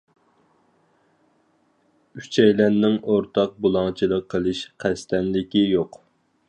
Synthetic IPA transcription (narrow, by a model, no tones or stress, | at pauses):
yt͡ʃʰɛjlɛnnːɪŋoɾt̪ʰɑq̚bulˠɑŋt͡ʃʰilˠəqʰːəlˠɨʃqʰæst̪ʰɛnlɪkʲijoq